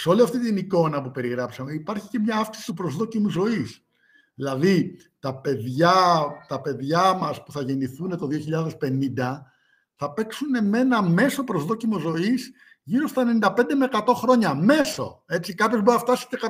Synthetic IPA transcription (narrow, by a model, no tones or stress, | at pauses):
seo̞liɐft̪it̪iniko̞nɐpupe̞ɾiɣɾɐpsɐme̞ipɐɾçi̥ce̞mɲɐɐfksi̥si̥t̪upɾozðo̞cimuzo̞is | ðilɐði | t̪ɐpe̞ðʝɐt̪ɐpe̞ðʝɐmɐspuθɐʝe̞niθune̞t̪o̞ðio̞çiʎɐðe̞spe̞nind̪ɐ | θɐpe̞ksune̞me̞nɐme̞so̞pɾozðo̞cimo̞zo̞is | ʝiɾo̞st̪ɐenenind̪ɐpe̞nd̪emeːkɐt̪o̞xɾo̞ɲɐme̞so̞̰e̞t͡sikɐpçozboɾnɐft̪ɐsi̥cekɐ